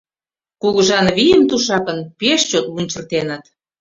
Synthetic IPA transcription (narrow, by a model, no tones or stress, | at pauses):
kuɣəʒɑnβijəmt̪uʃɑkə̆npeʃt͡ɕot̪lunʲt͡ɕərt̪enət̪